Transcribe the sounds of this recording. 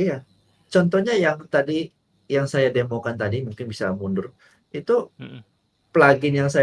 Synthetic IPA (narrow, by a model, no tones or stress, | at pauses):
ja | t͡ʃɔnt̪ɔhɲajaŋt̪adi | jaŋsajademokant̪adimuŋkɪnbisa̰mundʊɾ | it̪u | plaɡɪnjaŋsa